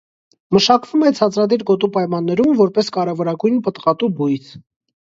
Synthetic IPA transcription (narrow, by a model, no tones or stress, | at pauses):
məʃɑkvumɛt͡sʰɑt͡sɾɑd̪iɾɡɔt̪̬upɑjmɑnːɛɾumvɔɾpɛskɑɾɛvɔɾɑɡujnpət̪ʁɑt̪ubujt͡sʰ